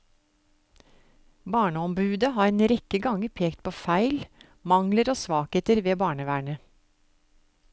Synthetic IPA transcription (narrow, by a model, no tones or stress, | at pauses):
bɑːɳəɔmbʉːd̪əɦɑːɾeːnɾɛkəɡɑŋəɾpʰeːkt̪̚pʰoːfæɪl | mɑŋləɾoːsʋɑːkheːt̪əɾʋeːbɑːɳəʋæːɳə